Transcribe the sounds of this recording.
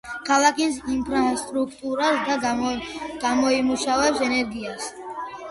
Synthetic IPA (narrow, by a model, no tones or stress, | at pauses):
kʰalˠakʰʼisimpʰɾast̪ʼɾukʰt̪ʼuɾasd̪a | ɡ̥amɔimuʃavɛpsɛnɛɾɡias